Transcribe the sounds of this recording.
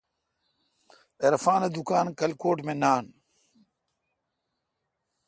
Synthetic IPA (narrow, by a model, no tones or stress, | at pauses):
eɾfaːned̪ukaːnkɐlkoːʈmẽnaːn